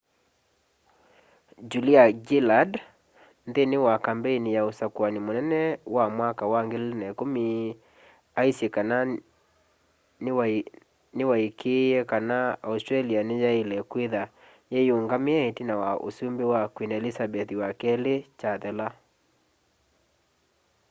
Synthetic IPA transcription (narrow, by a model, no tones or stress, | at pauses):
d͡ʒuliaɡilad | nðenewakambɛinijaosakwanemonɛnɛwamwakawaŋɡelenakomi | aisjekana | n | newaikʰejɛkanaaustɾalianejaelɛkweða | jejoŋɡameaetinawaʔo̰sumbewakwinaelisabɛθiwakɛlet͡ʃaðɛla